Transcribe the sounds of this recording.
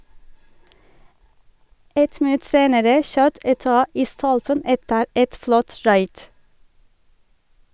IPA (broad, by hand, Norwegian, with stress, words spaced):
ˈɛt mɪˈnʉt ˈseːnəɾə ˈʃøːt ɛˈtɑː ˈiː ˈstɔlpən ˈɛtəɾ ˈʔɛt ˈflɔt ˈɹɑɪd